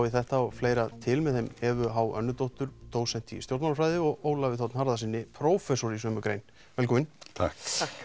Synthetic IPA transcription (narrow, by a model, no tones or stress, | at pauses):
wiθɛht̪aɔɣfleːjɾat̪ʰɪlmɛðθejmɛvʏɦawœ̰nːʏt̪owht̪ʏɾ̥t̪ʰoːwsɛn̥t̪ḭst̪jowɾt̪naɾfɾajðɪɔɣoːwlavɪθɔwt̪nhaɾðasɪnːɪpʰɾoːwfɛsoɾisœːmʏkɾejn | vɛlkʰɔmɪnt̪ʰa̰k